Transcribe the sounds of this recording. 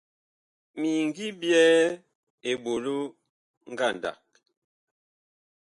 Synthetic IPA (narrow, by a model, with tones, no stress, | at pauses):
mi˨ŋ˨ɡi˦bjɛ˦ | e˨bo˨lo˦ | ŋ˦ɡa˦˨n˨da̰˨k̚